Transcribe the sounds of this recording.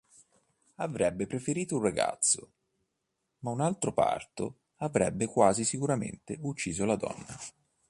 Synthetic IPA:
avɾɛbːepɾefeɾiːt̪ouraɡa̰t̪sːo | maunalt̪ɾopa̰rt̪o | avɾɛ̰bːekwaːzisikuɾamḛnt̪eut͡ʃːiːzolad̪ɔ̰nːa

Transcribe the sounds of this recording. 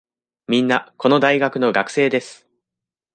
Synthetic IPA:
mʲĩnːako̞no̞d̪aiɡakɯ̟no̞ɡakɯ̟̥se̞ːd̪e̞sɨ̥

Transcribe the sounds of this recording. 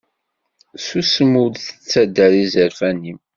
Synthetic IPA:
susəmud̪θə̥t͡sːæd̪ːəɾizəɾfænim

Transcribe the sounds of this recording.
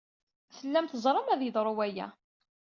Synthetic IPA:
θəlːæmt̪əzˤɾˤəmæðjəðˤɾˤowæjæ̰

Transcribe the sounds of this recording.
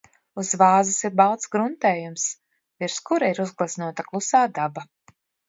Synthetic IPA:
uzvaːzisiɾbawt̪sɡɾunt̪ɛːjums | viɾskuɾaiɾuzɡlˠasnuɔt̪aklˠusaːd̪aba

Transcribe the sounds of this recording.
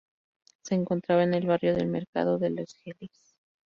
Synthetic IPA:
se̞ːŋko̞nt̪ɾaβaene̞lβarjo̞ðe̞̰lme̞ɾka̰ðo̞ðe̞lo̞sxelis

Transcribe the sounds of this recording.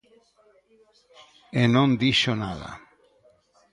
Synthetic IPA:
enõnd̪iʃonaða̰

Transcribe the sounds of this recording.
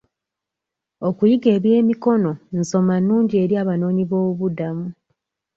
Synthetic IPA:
o̞kujiɡe̞ːβje̞ːmiko̞no̞n̩so̞manːuːɲɟie̞ɾjaːβano̞ːɲiβo̞ːuβudamu

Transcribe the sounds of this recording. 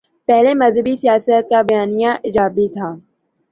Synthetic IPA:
pɛɦlemɐzɦəbisijaːsət̪̚kabɐjaːnijãʔɪd͡ʒaːbit̪ʰaː

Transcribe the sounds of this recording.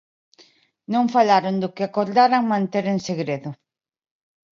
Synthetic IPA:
nõŋfalaɾond̪ʊkɪakoɾðaɾaŋmãnt̪eɾenseɣɾeðʊ

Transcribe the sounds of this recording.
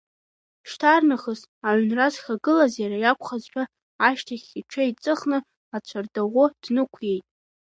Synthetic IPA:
ʃtʰarnɨχəs | aʕʷnrazxʲaɡɨlazjaɾajakʷʰχazħʷᶣʰa | aʃtʰaχʲiʈ͡ʂʷʰait͡sʼɨχnɨ | at͡ɕʷʰardaʁʷʊd̥nɨkʷʰje̞jtʼ

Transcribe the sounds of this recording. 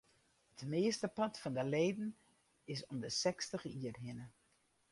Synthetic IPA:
hətmeːstəpɑtfɑndəleːdn̩ | ɪsɔmdəsɛkstəχəiərɦɪnə

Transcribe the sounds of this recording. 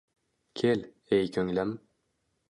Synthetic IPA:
kʲʰel | ejkʲʰɵŋlæm

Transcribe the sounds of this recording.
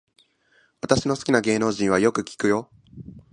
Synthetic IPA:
βat̪aɕino̞sɨ̥kʲinaɡe̞ːno̞ːʑĩɰ̃βajo̞kɯ̟kʲi̥kɯ̟jo̞

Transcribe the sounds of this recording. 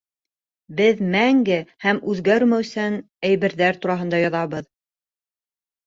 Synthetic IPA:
bɘðmæŋɡɘhæmʉðɡæɾmæwsæn | æjβɘ̆ɾðæɾt̪uɾɑɦɤ̆nd̪ɑjɑðɑβɤð

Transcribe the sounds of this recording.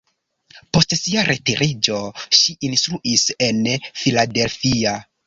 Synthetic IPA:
po̞stsiaɾʔetiɾʔid͡ʒo̞ʃiʔinstɾuʔise̞nfilade̞lfia

